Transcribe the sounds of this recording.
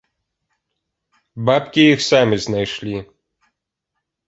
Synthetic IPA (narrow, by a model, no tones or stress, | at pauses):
bapkʲijixsamɨznajʂlʲi